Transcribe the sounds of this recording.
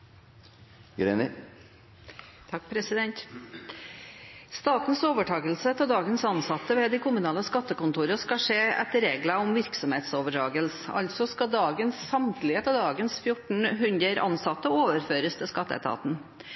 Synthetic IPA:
ɡɾenə | t̪ʰɑk̚pʰɾɛsɪd̪ɛnt̪ | st̪ɑːt̪n̩soːʋəʈʰɑːɡəlsət̪ʰɔd̪ɑːɡənsɑnsɑt̪ːəʋɛd̪ɪkʰʊmʉnɑːləskɑt̪ːəkʊnt̪uːɾəskɑʂeːɛ̰t̪ɾeːɡlɑʊmʋɪɾksɔmheːt̪soːʋəʈʰɑːɡəlsɑ̰lt̪sɔskɑd̪ɑːɡənsːɑmt̪lɪheːt̪ɑd̪ɑːɡənsfjʊʈɳ̩ɦʉnd̪ɾəɾʔɑ̰nsɑt̪ːəoːʋəɾføːɾəst̪ʰɪskɑt̪ːəɛ̰t̪ʰɑ̰ːt̪n̩

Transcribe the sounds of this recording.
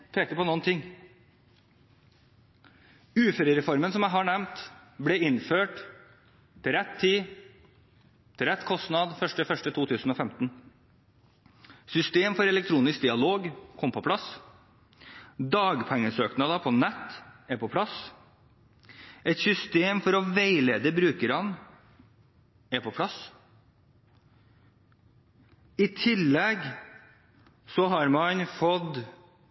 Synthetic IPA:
pʰeːk̪əpʰɔnɔnt̪ʰɪŋː | ʉːføɾəɾɛfɔɾmənsɔmæɪɦɑɳɛmt̪blɛɪnføːʈ | t̪ʰɪlɾɛt̪ʰːiː | t̪ʰɪlɾɛt̪ːkʰɔst̪nɑd̪fœʂʈəfœʂʈət̪ʰuːt̪ʰʉːsn̩ɔːfɛmt̪n | sʏst̪eːmfɔɾɛlɛk̚t̪ʰɾuːnɪsk̚d̪ɪɑloːɡkʰɔmpʰɔpʰlɑs | d̪ɑːɡpʰɛŋːəsøːknɑd̪ɑpʰɔnɛt̪ːæɾpʰɔpʰlɑs | ɛt̪sʏst̪eːmfɔɾɔʋæɪleːd̪əbɾʉːkəɾɑn | æɾpʰɔpʰlɑs | ɪt̪ʰɪlːɛɡ | sɔɦɑɾmɑnfɔd̪

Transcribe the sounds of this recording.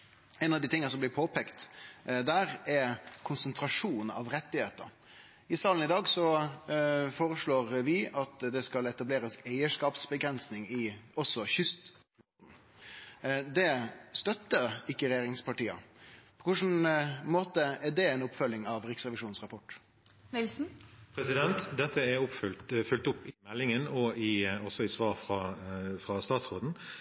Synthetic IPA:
ɛnɑʋd̪ɪːt̪ʰɪŋːəəsɔmblɪɾpʰoːpʰɛkt̪d̪æːɾɛkʰʊnsənt̪ʰɾɑʂuːn̩ɑ̰ʋɾɛt̪ːɪheːt̪ə̰ɾ | ɪsɑːln̩ɪd̪ɑːɡsɔ | foːɾəʂɭoːɾʋɪʔɑt̪d̪ɛskɑlɛt̪ɑbleːɾəsæɪəʂkɑːpsbəɡɾɛnsnɪŋɪɔsɔçʏst̪flot̪n̩ | d̪ɛst̪œt̪ːəɾɪkːəɾɛjeːɾɪŋspʰɑʈiːɑ̰pʰɔ̥kʰʊʂn̩moːt̪əæɖɛɛɪnʊpfœlːɪŋɑʋʁɪksʁɛʋɪʂuːnsʁɑpʰɔʈː | nɪlsn̩pʰɾɛsɪd̪ɛnt̪d̪ɛt̪ːəæɾʊpfʏlt̪fʏlt̪ʊpːɪmɛlːɪŋənɔɪɔsɔɪsʋɑːɾfɾɑfʁɑst̪ɑːt̪sʁoːd̪n̩

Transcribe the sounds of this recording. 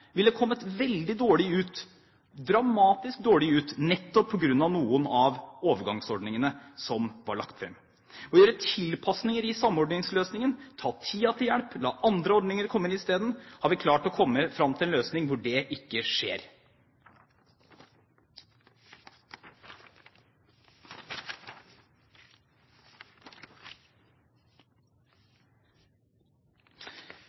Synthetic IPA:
ʋɪld̪ɛkʰɔmːət̪ʋɛld̪ɪd̪oːɭɪʉːt̪ | d̪ɾɑmɑːt̪ɪsk̚d̪oːɭɪʉːt̪nɛt̪ːɔpʰːɔɡɾʉnːɑʋnuːənɑʋoːʋəɾɡɑŋsɔɖnɪŋənəsɔmʋɑɭɑ̰kt̪fɾɛ̰mː | ɔːjøːɾət̪ʰɪlpʰɑsnɪŋəɾɪsɑmːɔɖɳɪŋsløːsnɪŋənt̪ʰɑːt̪ʰiːɑt̪ʰɪljæɽplɑ̰ːʔɑnd̪ɾəɔɖnɪŋəɾkʰɔmːəɪnɪst̪eːd̪nhɑɾʋɪkʰlɑːʈɔkʰɔmːəfɾɑmt̪ɪlɛnløːsnɪŋʋʊɖɛʔɪkːəʂḛːɾ

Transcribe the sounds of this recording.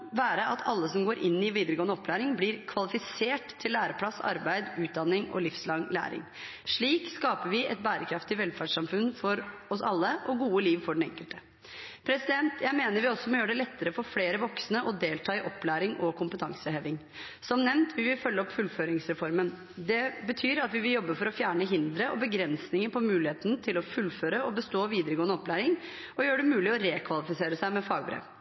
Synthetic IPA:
ʋæːɾəɑt̪ʰɑ̰lːəsɔmɡoːɾʔɪnːɪʋiːd̪əɾəɡoːnəɔpːlæːɾɪŋblɪɾkʰʋɑlɪfɪseːʈt̪ʰːɪlːæːɾəpʰɽɑsɑ̰ɾbæɪd̪ʉːt̪̚d̪ɑnːɪŋɔ̰lɪfslɑŋlæ̰ːɾɪ̰ŋ | ʂɭiːkskɑːpəɾʋɪʔɛt̪̚bæːɾəkʰɾɑft̪ɪʋɛlfæɖʂɑmfʉnfɔɾɔsɑlːəʔɔɡuːəliːʋfɔɖɛɳ̩ɛ̰ŋkəlt̪ə̥ | pʰɾɛsɪd̪ɛnt̪jæɪmeːnəɾʋɪɔsɔmɔjøːɖɛlɛt̪ːəɾəfɔɾfleːɾəʋɔksnəʔɔd̪eːlt̪ʰɑːɪʔɔpːlæːɾɪŋʔɔkʰʊmpət̪ʰɑŋsəhɛʋɪŋ | sɔmnɛʋnt̪ʰʋɪʋɪlfœlːəɔpfʉlføːɾɪŋsɾɛfɔɾmən | d̪ɛbət̪ʰyːɾɑt̪ʋɪʋɪljɔbːəfɔɾɔfjæːɳəɦɪnd̪ɾəʔɔbəɡɾɛnsnɪŋəpʰɔmʉːlɪheːt̪ənt̪ʰɪlɔfʉlːføːɾəɔbəst̪oːʋiːd̪əɾəɡoːənəɔplæːɾɪŋ | ɔjøːɖɛmʉːlɪɔɾeːkʰʋɑlɪfɪseːɾəsæɪmɛfɑːɡ̚bɾḛːʋ

